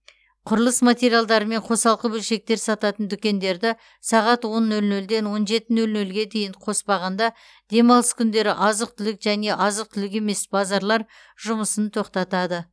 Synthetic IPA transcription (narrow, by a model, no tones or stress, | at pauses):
qʰʊɾəlˠəsmat̪ʲe̞ɾijalˠd̪ɑɾəme̞ɴqʰo̞sɑlˠqəbɵlʃe̞k̚t̪e̞ɾsɑt̪ɑt̪ənd̪ʏkʲe̞nd̪e̞ɾd̪ɪ | sɑʁɑt̪wo̞nːɵlnɵld̪e̞nwo̞nʒe̞t̪ɪnɵlnɵlɡʲe̞d̪e̞jɪɴqʰo̞spɑʁɑnd̪ɑ | d̪̥e̞mɑlˠəskʲʰʏnd̪e̞ɾɪʔɑzəq̚t̪ʰʏlɪkʒæne̞ʔɑzəq̚t̪ʰʏlɪk̬e̞me̞sbɑzɑɾlˠɑɾ | ʒʊməsənt̪ʰo̞qt̪ɑt̪ɑd̪ə